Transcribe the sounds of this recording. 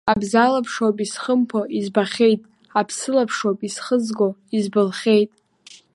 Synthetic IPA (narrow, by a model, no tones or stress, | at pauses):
abzalapʰʂopʼisχəmpʰoʔizbaχʲe̞jtʼ | apʰsɨlapʰʂopʼisχəzɡo̞izbɨlχʲe̞jtʼ